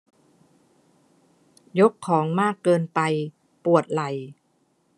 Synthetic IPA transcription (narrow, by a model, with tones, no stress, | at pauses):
jo˦˥kʰːɔː˩˦ŋmaː˥˩kːɤː˧npa˧j | pu˨˩ət̪̚la˨˩j